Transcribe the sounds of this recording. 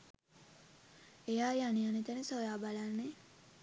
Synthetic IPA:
ejaːjanijanet̪ænesojaːbalanːe

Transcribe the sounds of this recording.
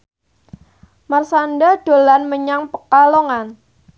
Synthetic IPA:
marsandad̥o̤lanməɲaŋpəkaloŋan

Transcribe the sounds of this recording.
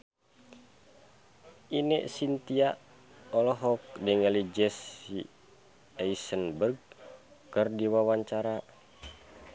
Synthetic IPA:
ʔinɛ̰ʔsint̪ia | ɔlɔɦɔk̚dɛŋɛlid͡ʒɛsi | ɛisənbərɡ̚kərdiwawaɲt͡ʃaɾa

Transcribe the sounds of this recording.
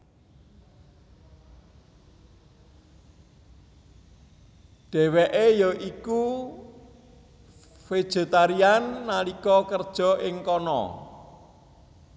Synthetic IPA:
ɖ̥ɛ̤wɛʔejɔʔiku | fe̥ʒ̥e̤t̪aɾianːalikɔkərd̥ʒ̥ɔ̤ʔɪŋkɔnɔ̰

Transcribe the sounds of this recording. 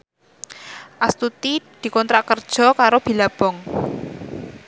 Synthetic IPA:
ʔast̪ut̪id̪̥i̤kɔnt̪ɾakərd̥ʒ̥ɔ̤kaɾob̥i̤lab̥ɔŋ

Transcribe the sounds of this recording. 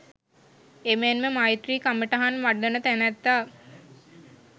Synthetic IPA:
emenməmajt̪riːkaməʈaɦanʋaɖːənət̪ænæt̪ːaː

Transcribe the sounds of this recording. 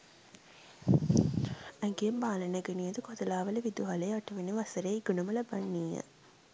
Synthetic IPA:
æŋɡejɐmbaːlɐnɐɡenijɐd̪ukɔd̪ɐlaːʋɐlɐʋid̪uɦɐleːɐʈuʋeniʋɐsɐɾeːɡunumɐlɐbɐnːiːɐ̰

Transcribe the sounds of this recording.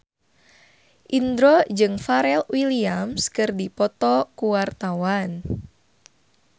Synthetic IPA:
ʔind̪ɾɔd͡ʒɨŋfaɾɛlwiliamskɨrdipɔt̪ɔkuwart̪awan

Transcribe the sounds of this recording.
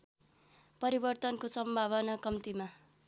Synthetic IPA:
pʌɾibʌrt̪ʌnkosʌmbʱaβʌnʌkʌmt̪ima

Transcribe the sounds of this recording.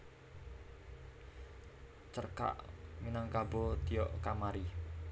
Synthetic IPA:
t͡ʃərka̰ʔminaŋkabɔt̪ijɔʔkamaɾi

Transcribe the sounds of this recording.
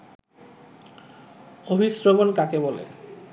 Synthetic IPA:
obʱisɾoɡonkakebɔlḛ

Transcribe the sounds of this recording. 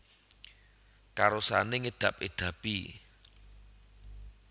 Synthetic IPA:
kaɾosaneŋed̪̥ä̤p̚ed̪̥ä̤b̥i

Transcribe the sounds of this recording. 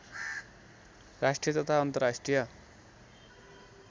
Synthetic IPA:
rasʈrijʌt̪ʌt̪ʰaʌnt̪ʌrasʈrijʌ

